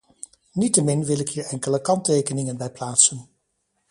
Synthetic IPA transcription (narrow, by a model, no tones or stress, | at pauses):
nitəmɪnʋɪlɪkɦiːɹɛŋkələkɑntejkənɪŋənbɛjplaːtsən